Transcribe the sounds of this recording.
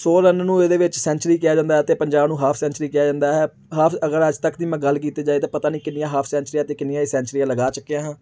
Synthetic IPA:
soːɾənnũːeːd̪eːʋɪt͡ʃsɛ̃ːnt͡ʃəɾiːkɪjaːd͡ʒãːnd̪aɦɛt̪eːpəɲd͡ʒaːbnũːɦaːpʰsɛ̃ːnt͡ʃɾiːkɪjaːd͡ʒãːnd̪aːɦɛː | ɦaːpʰəɡəɾəd͡ʒt̪əkd̪iːmɛ̃ɡəlːk̬iːt̪eːd͡ʒaːeːt̪ãːpət̪aːniːkɪnɪjãːɦaːpʰsɛ̃ːnt͡ʃɾiːaːt̪eːkɪnɪjãiːsɛ̃ːnt͡ʃɾiːaːləɡaːt͡ʃʊkːeãːɦãː

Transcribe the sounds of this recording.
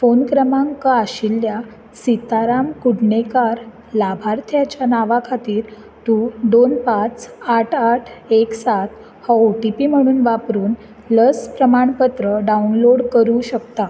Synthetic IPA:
fonkɾəmaŋkaaɕilːja | sit̪aɾamkuɽɳekaɾ | labʱaɾt̪ʰjat͡ɕjanaʋakʰat̪iːɾ | t̪ud̪onpat͡saʈʰaʈʰeksat̪ | haoʈipiːm̤əɽ̃uːnʋapɾuːn | ləspɾəmaɳpət̪ɾəɖaunloɽkəɾuɕəkt̪a

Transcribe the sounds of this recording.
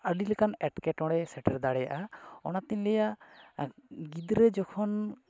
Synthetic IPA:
əɖilɛkanɛʈkɛʈɔ̃ɽɛsɛʈɛɾd̪aɽɛja̰ʔaɔ̰nat̪iɲlɛjaʔ | ɡid̪ɾɛd͡ʒɔkʰɔn

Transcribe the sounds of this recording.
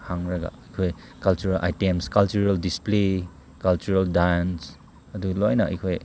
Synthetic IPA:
haŋɾɐɡa̰ɐjkʰoj | kɐlt͡ʃuɾalʔa̰jtemskalt͡ʃuɾaldisple | kalt͡ʃuɾaldans | ɐdulɔjnɐɐ̰jkʰoj

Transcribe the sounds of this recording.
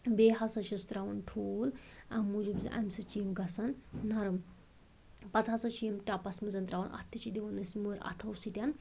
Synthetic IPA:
beːɦɐsɐt͡ʃʰɐst̪ɾaʋɐnʈʰuːlɐmːud͡ʒubzḭʔɐ̰mʲsɨt͡ʃimɡɐsɐnːɐɾɨm | pɐt̪ʰɐsɐt͡ʃʰiːmʈapɐsmɨzɐnt̪ɾaʋɐnʔɐ̰t̪ʰːit͡ʃid̪iʋɐnɨsmɨɾɐ̰t̪ʰɐwsit̪ʲan

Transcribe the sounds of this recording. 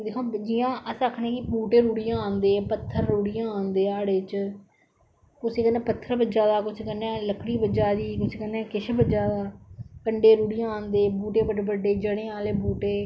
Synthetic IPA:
d̪eːkʰõːd͡ʒijãːʔəsəkʰnẽːkɪbuːʈeːɾuːɽijãːaːnd̪eːpət̪ʰːəɾɾuːɽijãːaːnd̪eːaːɽeːt͡ʃ | kʊseːkəneːpət̪ʰːəɾbəd͡ʒaːd̪aːkʊt͡ʃʰkənːeːləkɽiːbəd͡ʒaːd̪iːkʊt͡ʃʰkənːeːkɪʃʰbəd͡ʒaːd̪aːkəɳɖeːɾuːɽijãːaːnd̪eːbuːʈeːbəɖbəɖeːd͡ʒəɽeːaːleːbuːʈeː

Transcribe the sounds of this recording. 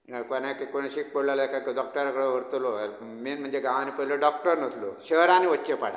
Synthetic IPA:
konakkoɽ̃eɕik̚pəɽləlakakɖɔk̚ʈəɾakəɽeʋəɾt̪lo | minm̤əɳd͡zeɡãʋanipəɦiləɖɔk̚ʈəɾnət̪loɕəɾaniʋət͡ɕːepaɽa̰

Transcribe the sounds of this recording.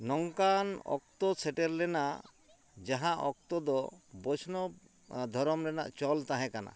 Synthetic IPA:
nɔŋkanɔ̰k̚t̪ɔsʰɛʈɛɾlɛna | d͡ʒaɦãʔɔk̚t̪ɔd̪ɔbɔt͡ʃʰnɔ | d̪ʱɔɾɔmlɛna̰ʔt͡ʃɔlt̪ãɦɛ̃kana̰

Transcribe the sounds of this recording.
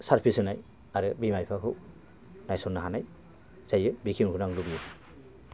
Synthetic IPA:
saɾpʰisɯnaj | aɾɯbimajpʰakʰɯw | najsonːaɦanaj | zajɯbikʰimhunaŋlubijɯ

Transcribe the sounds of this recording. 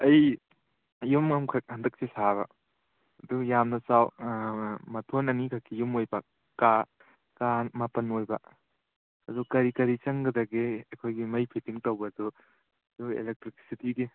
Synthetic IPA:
ɐj | jumɐmkʰɐk̚hɐndɐk̚sisaβɐ̰ | ɐdujamnɐsaw | mɐtʰonɐnikʰakʰːijumojbɐ | ka | kamɐpɐnojbɐ̰ | ɐdukɐɾikɐɾit͡ʃɐŋɡɐdɐɡiɐkʰojɡimɐjpʰitiŋtɐwbɐdu | ɐduḛlek̚tɾikʰsitiɡi

